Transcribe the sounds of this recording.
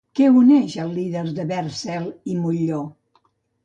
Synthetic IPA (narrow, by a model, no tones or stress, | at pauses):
kɛunɛʃəlˠːiðəɾðəβɛrsɛlimuʎo